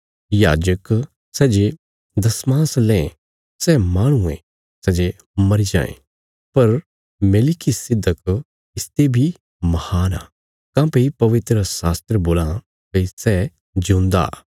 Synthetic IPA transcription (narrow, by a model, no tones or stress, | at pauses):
jaːd͡ʒək | sɛːd͡ʒe | d̪ɐsmãːslɛ̃ | sɛmaːɽ̃ʊẽ | sɛːd͡ʒe | mɐɾid͡ʒã̰ːḛ̃ | pɐɾ | meːlɪkisɪd̪ʱːək | ɪst̪ebʱi | mɐhaːna̰ː | kãːpeipɐʋɪt̪ɾəsaːst̪ɾəboːlã | peisɛ | d͡ʒũːnd̪a̰ː